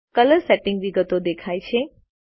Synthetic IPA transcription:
kələɾsɛʈɪ̃ŋɡʋiɡət̪od̪ekʰajt͡ʃʰe

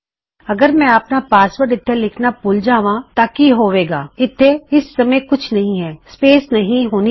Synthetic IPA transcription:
ɐɡəɾmɛ̃ɐpnapaːsʋəɾʈɪt̪ʰːelɪkʰnapʊld͡ʒaːʋãːt̪aːkiɦoːʋeːɡaːɪt̪ʰːeɪsːɐməjkʊt͡ʃʰnɐɦĩɦɛːspeːsnɐɦĩɦoːni

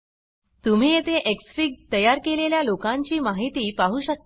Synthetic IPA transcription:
t̪um̤iːet̪eʔeksfiɡ̚t̪əjaɾkeleljalokãɲt͡ɕiːmaɦit̪iːpaɦuːɕək̚

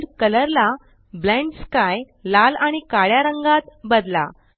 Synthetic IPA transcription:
ɾkələɾla | blɛ̃ɳʈskaj | lalaɽ̃ikaɭjaɾəŋɡat̪bəd̪la̰

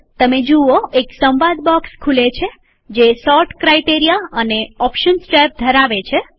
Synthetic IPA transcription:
t̪əmed͡ʒuoeksəmbad̪bɔkskʰulet͡ʃʰe | d͡ʒesɔɾʈkɾajʈeɾijaəneɔpʃənsʈeɾp̚d̪ʱəɾaʋet͡ʃʰe

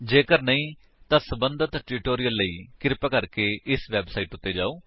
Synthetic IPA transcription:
d͡ʒeːkəɾnəĩː | t̪ãːsəbənd̪ət̪ʈʊʈoːɾijəlːəḭːkɪɾpaːkəɾkeːɪsʋɛːbsaːiːʈʊt̪ːeːd͡ʒaːoː

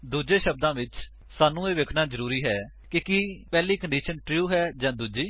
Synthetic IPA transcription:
d̪uːd͡ʒeːʃəb̚d̪ãːʋɪt͡ʃ | saːnũːeːʋekʰnaːzəɾuːɾiːɦɛː | kɪkiːpɛːliːkəɳɖiːʃənʈɾjuːɦɛːd͡ʒãːd̪uːd͡ʒiː

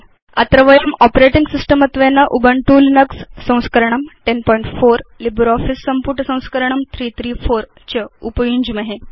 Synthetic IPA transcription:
ɐt̪ɾəʋəjəmɔpɾeʈiŋɡsisʈəmət̪ʋenːaʔubəɳʈulinəksːə̃w̃skəɾɳ̃əmʈenpɔiɳʈfoɾlibɾɔfisːəmpuʈsə̃w̃skəɾəɳ̃əmt̪ʰɾiːt̪ʰɾiːfoɾ | t͡ɕəupjũɲd͡ʑməɦe

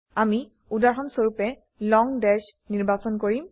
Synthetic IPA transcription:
ami | udaɹxɔnsoɹupɛ | lɔŋdɛsniɹbasɔnkoɹim

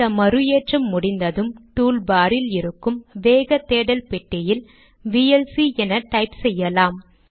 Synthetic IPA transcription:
ɐmɐɾɯjeːʈrɐmːʊɽɪnd̪ɐðɯmʈuːlbaːɾɪlɪɾɯkːɯmʋeːɣɐt̪ːeːɽɐlpɛʈːɐjɪl | ʋiɛlsiɛnɐʈɐɪpsɛjːɐlaːm

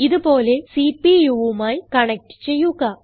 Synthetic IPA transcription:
iðupo̞ːle̞sipijuʋumaːjkɐɳɐk̚ʈɨ̥t͡ɕe̞jːuɣɐ

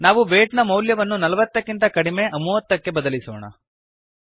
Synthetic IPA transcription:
naːʋubeːʈnɐmɐwljɐʋɐnːunɐlɐʋɐt̪ːɐkːint̪ɐkɐɽime̞ʔɐmuʋɐt̪ːɐkːe̞bɐd̪ɐlisoːɳɐ̰

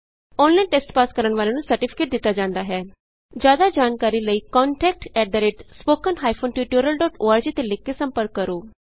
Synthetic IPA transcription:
ɔːnlãːʈeːsʈpaːskəɾəɳʋaːleːnũːsəɾʈɪpʰɪ̥keːʈ̚d̪ɪt̪ːaːd͡ʒãːnd̪aːɦɛː | d͡ʒjaːd̪aːd͡ʒaːnkaːɾiːləiːkɔːɳʈɛːk̚ʈɛːɖ̚d̪əɾeːʈspoːkənɦaːipʰoːnʈjuːʈuːɾəlɖɔːʈoːaːɾd͡ʒiːt̪elekːeːsəmpəɾkːəɾoː

